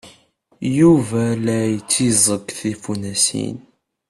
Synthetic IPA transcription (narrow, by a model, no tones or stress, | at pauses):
juvælæjət͡sːizˤəɡθifunæsḭn